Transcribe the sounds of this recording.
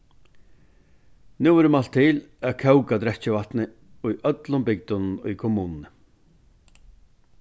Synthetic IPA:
nuːɪɾəmalt̪ʰːɪl | ækʰœwkat̪ɾɛt͡ɕɪvaht̪nɪ | ʊjʔœt̪lʊmbɪk̚t̪ʊnnʊjkʰɔmuːnnə

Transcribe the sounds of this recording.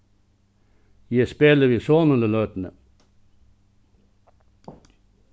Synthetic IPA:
jæspeːləɾiːsoːnələløːt̪n̩ə

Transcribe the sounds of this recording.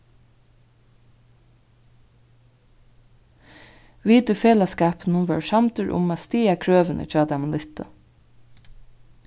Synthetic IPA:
ʋiːt̪ʏfeːlaskaːpnʊnʋɛ̰ɹsamt̪əɹʔʊ̰maːst̪iːakʰɹøːʋɪnʔə̰t͡ʃɑːt̪ʰamanlɪht̪ə̰

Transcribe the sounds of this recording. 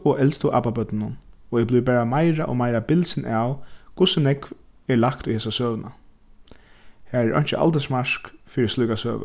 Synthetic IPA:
ɔʔɛlst̪ʊʔa̰ːpapœt̪nɪnːʊnɔɛblujp̬æːɹamajɾaʔɔ̰majɾabɪlsɪnʔawkʰʊsɪnɛkv | ɛlakt̪ujhɛːsasœːʋəna̰ | hæːɛɹʔɔ̰jɲ̥t͡ʃɪʔa̰lt̪ɛsmaʂkfɪɾɪstlujkasœ̰ːʋə̰

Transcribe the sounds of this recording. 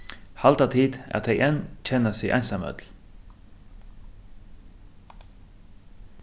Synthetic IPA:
hɑlt̪ɑːt̪ʰiːd̪æ̰t̪ɛɪʔɛnc͡çɛnəsḭːʔæ̰ɪnsɑmœ̰d̪l̩

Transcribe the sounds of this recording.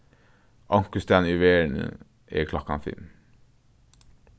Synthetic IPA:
ʔɑŋkəst̪æniʋeːɳə̰ | ʔḛːkʰlɑkɑnfɪ̰lm

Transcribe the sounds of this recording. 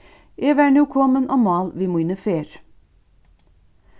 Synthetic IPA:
ʔeːʋæːɳuːkʰɔmənʔoːmɑːlʋiːmʊɪnəfeːɾ

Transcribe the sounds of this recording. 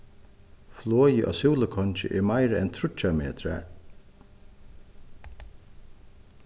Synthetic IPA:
flɔːjɪʔa̰suːləkʰɔnt͡ʃɪ̰ʔɛɹmajɾəɛnt̪ʰɾʊt͡ʃːamḛːt̪ɾa̰

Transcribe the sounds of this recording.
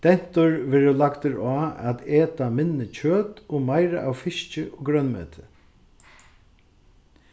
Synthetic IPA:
d̪̥ɛn̥t̪ʊɹʋeːɾəlakt̪ɪɾaːæt̪eːt̪amɪnːɪt͡ɕʰøːt̪ɔmajɾa̰ʔawfɪʃt͡ʃɪɔɡɾœnmø̰ːt̪ʰɪ̥

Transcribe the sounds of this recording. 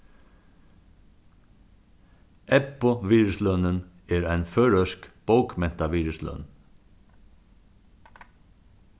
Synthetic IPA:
ʔɛpoʋiːɹʉslœnən | eːɾæɪnføːɹœʃkb̥əʊkmɛnt̪ɑʋiːɹʉslœ̰ːn

